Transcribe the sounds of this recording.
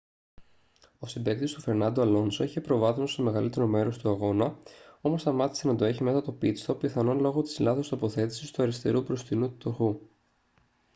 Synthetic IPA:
o̞sibe̞kt̪ist̪ufe̞ɾnɐnd̪oɐlo̞nsoiçepɾo̞vɐθnost̪ome̞ɣɐlit̪e̞ɾo̞me̞ɾo̞st̪uɐɣo̞nɐo̞mo̞st̪ɐmɐt̪i̥se̞nɐd̪o̞eçime̞sɐt̪o̞pit͡st̪o̞piθɐno̞nlo̞ɣo̞t̪i̥zlɐθo̞st̪o̞po̞θe̞t̪i̥sist̪uɐɾist̪e̞̰ɾupɾo̞st̪inut̪ut̪oxu

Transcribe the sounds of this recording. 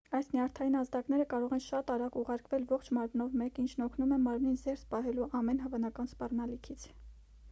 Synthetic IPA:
ɑjsniɑɾt̪ʰɑjinɑzd̪ɑknɛɾəkɑɾɔʁɛnʃɑt̪ɑɾɑkuʁɑɾkvɛlvɔχt͡ʃʰmɑɾmnɔvmɛkint͡ʃʰnɔkʰnumɛmɑɾmninzɛɾspɑɦɛluʔɑmɛnɦəvɑnɑkɑnspɑrnɑlikʰit͡sʰ

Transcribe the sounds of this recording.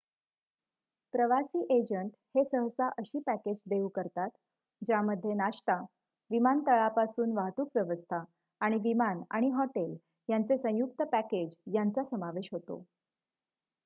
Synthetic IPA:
pɾəʋasiːʔed͡ʑəɳʈhesəɦəsaʔəɕiːpæked͡ʑd̪eukəɾt̪at̪ | d͡ʑaməd̪ʱːjenaɕt̪a | ʋimant̪əɭapasuːnʋaɦt̪uːkʋjəʋəst̪ʰaː | ɽ̃iʋimana̰ɽ̃iɦɔʈel | jant͡sesə̃juk̚t̪əpæked͡ʑjant͡sasəmaʋeɕɦot̪o̰

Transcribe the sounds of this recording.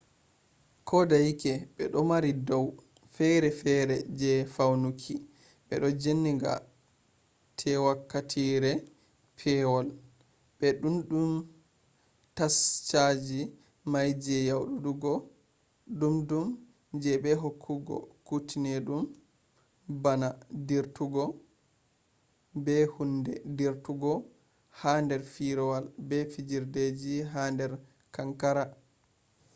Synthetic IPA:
kʰɔdajikɛɓɛɗɔmaɾidɔw | fɛɾɛfɛɾɛd͡ʒɛfawnukʰi | ɓɛ̰ɗɔd͡ʒenːiɡa̰ | tʰɛwakːatʰiɾɛ | pʰɛwɔl | ɓɛɗumɗum | tast͡ʃad͡ʒi | majd͡ʒɛjawɗuɗuɡɔ | ɗumdum | d͡ʒɛbɛɦokʰːuɡɔ̰kutʰinɛɗum | banadiɾtuɡɔ | bɛhundɛ̰diɾtuɡɔ | handɛɾfiɾɔwalbɛfid͡ʒiɾded͡ʒiɦandɛɾ | kaŋkaɾa

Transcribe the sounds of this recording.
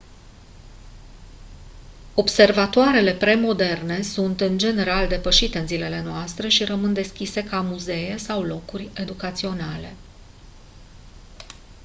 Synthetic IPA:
o̞bse̞rvat̪oaɾe̞le̞pɾe̞mo̞d̪e̞rne̞sunt̪ɨnd͡ʒe̞ne̞ɾald̪e̞pəʃit̪e̞ɨnzile̞le̞noast̪ɾe̞ʃiɾəmɨnd̪e̞skʲise̞kamuze̞je̞sawlo̞kurʲe̞d̪ukat̪sio̞nale̞

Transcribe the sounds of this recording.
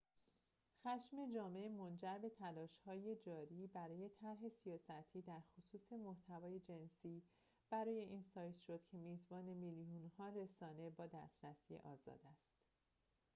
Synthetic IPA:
xæʃme̞d͡ʒɒːmeemo̞nd͡ʒæɾbe̞t̪ʰælɒːʃhɒːje̞d͡ʒɒːɾiːbæɾɒːje̞t̪ʰæɾɦe̞sijɒːsæt̪ʰiːd̪æɾxosuːse̞moht̪ʰævɒːje̞d͡ʒe̞nsiː | b̥æɾɒːje̞ʔiːnsɒːjt̪ʃod̪̥cʰe̞miːzbɒːne̞miljunhɒːɾe̞sɒːne̞bɒːd̪æst̪ɾæsiːjḛʔɒːzɒ̰ːd̪æst̪

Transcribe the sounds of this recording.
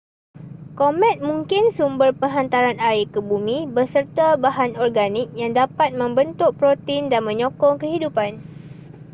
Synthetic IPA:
komɛ̃t̪̚mũŋkɪnsumbərpəŋɦant̪aɾanaikəbumĩbəsərt̪abaɦanɔrɡanik̚jaŋdapat̪̚mə̃mbənt̪ʊʔ̚pɾot̪indanmə̃ɲɔ̃kɔŋkəɦidupan

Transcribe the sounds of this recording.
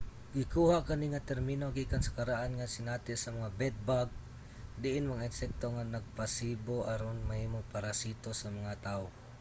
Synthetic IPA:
ɡɪkuhakɐniŋat̪ɛɾminoɡikansḁkaɾaʔanŋasɪnat̪ɪsɐmɐŋabɛd̪̚baɡ̚ | d̪ɪʔɪnmɐŋaɪnsɛk̚t̪oŋanɐɡ̚pasiboʔaɾonmahiːmoŋpaɾasit̪osamɐŋat̪ao

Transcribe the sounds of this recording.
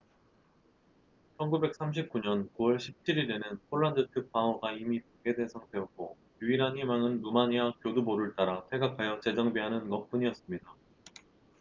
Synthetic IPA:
t͡ɕʰʌnɡube̞k̚s͈ʰamɕ̬ʰip̚k͈uɲʌnkuwʌɭɕʰip̚t͡ɕʰiɾiɾe̞nɯnpʰoɭːandɯtʰɯk̚p͈aŋoɡaimipoɡe̞de̞sʰʌŋte̞ʌk̚k͈o | juiɾɦanimaŋɯnːumaɲiakjoduboɾɯɭt͈aɾatʰwe̞ɡakʰajʌt͡ɕe̞d͡ʑʌŋbiɦanɯnɡʌp͈uɲiʌs͈ɯmɲida

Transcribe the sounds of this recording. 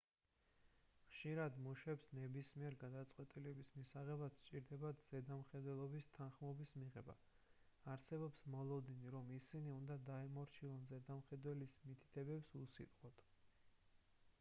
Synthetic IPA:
χʃiɾad̪muʃwɛpsnɛbismiɛɾɡad̪at̪sʼqʼwɛt̪ʼilɛbismisaʁɛbast͡ʃʼiɾd̪ɛbad̪z̥ɛd̪amχɛd̪wɛlˠɔbist̪ʰanχmɔbismiʁɛba̰ | aɾsɛbɔpsmɔlˠɔd̪iniɾɔmisiniund̪ad̪aɛmɔɾt͡ʃʰilˠɔnzɛd̪amχɛd̪wɛlismit̪ʰi̥t̪ʰɛbɛpsusḭt̪ʼqʼɔt̪ʰ

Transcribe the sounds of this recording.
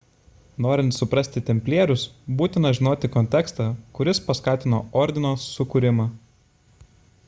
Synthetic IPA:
noːɾʲɪnt̪sʊpɾɐsʲt̪ʲɪt̪ʲɛmʲpʲlʲeːɾʲʊsbuːt̪ʲɪnɐʒʲɪnoːt̪ʲɪkɔnʲt̪ʲɛkst̪ɑːkʊɾʲɪspɐskɑːt̪ʲɪno̰ːɔɾʲd̪ʲɪnoːsːʊkʊɾʲɪmɑː

